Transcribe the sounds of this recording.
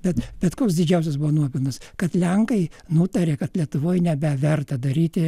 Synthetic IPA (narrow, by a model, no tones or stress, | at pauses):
b̥ʲɛt̪bʲɛt̪koːks̬d̪ʲɪd͡ʒʲɛʊs̬ʲɛsbʊʋɔːnuɔpʲɪlˠnɐskɐt̪lʲɛŋkɐɪnʊt̪ɐɾʲeːkɐt̪lʲiɛt̪ʊʋoːjnʲɛbʲɛʋʲɛrt̪ɐd̪ɐɾʲiːt̪ʲɪ